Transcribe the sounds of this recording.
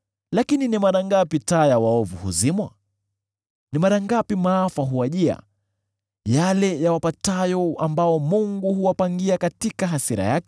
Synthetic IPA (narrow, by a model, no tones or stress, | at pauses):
lakininimaɾaŋɡapitajawaɔvṵhṵzimwa̰ | nimaɾaŋɡapimaːfaɦuwaʄia̰ | jalɛjawapatajɔambaɔmuŋɡuɦuwapaŋɡiakatikaɦasiɾa̰jakɛ̥